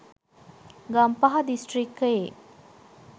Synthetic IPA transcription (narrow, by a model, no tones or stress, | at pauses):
ɡɐmpɐɦɐd̪isʈrikːɐjḛ